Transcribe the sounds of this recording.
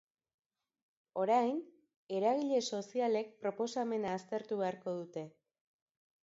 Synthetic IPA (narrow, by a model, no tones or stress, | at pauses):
o̞ɾajn | e̞ɾaɣ̞iʎe̞so̞siale̞k̚pɾo̞po̞same̞naːst̪e̞ɾt̪uβe̞aɾko̞ð̞ut̪e̞